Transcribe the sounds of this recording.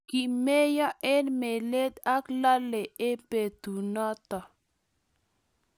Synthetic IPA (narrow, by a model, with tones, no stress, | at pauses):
ki˨me˦jɔ˦ʔɛ˦nme˨le˦d̪a˦kla˦le˨e˦pe˨t̪u˨nɔ˦t̪ɔ˨